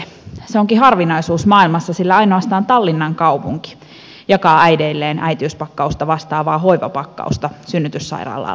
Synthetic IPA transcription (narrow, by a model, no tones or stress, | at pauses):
seoŋkiɦɑrʋinɑisuːsmɑːilmɑsːɑsilːæɑinoɑst̪ɑːnt̪ɑlːinːɑŋkɑupuŋki̥ | jɑkɑːæideilːeːnʔæ̰jt̪iyspɑkːɑust̪ɑʋɑst̪ɑːʋɑːɦoiʋɑ̰pɑkːɑ̰ust̪ɑsynːyt̪ysːɑ̰irɑ̰ːlːɑ̰